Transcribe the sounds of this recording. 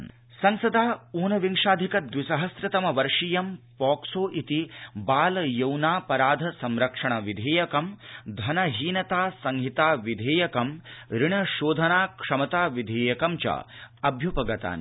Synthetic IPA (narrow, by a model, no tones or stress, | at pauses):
sɐŋsɐd̪aːuːnɐʋiŋʂaːd̪ʱikɐd̪ʋisɐɦɐsɾɐt̪ɐmɐʋɐɾʂijɐmpɔːksoːʔit̪ibaːlɐjɐwnaːpɐɾaːd̪ʱɐsɐmɾɐkʂɐɳ̃ɐʋid̪ʱeːjɐkɐmd̪ʱɐnɐɦiːnɐt̪aːsɐŋɦit̪aːʋid̪ʱeːjɐkɐmɾiɳɐʃoːd̪ʱɐnaːkʂɐmɐt̪aːʋid̪ʱeːjɐkɐmt͡ʃɐ̰ɐbʱjupɐɡɐt̪a̰ːn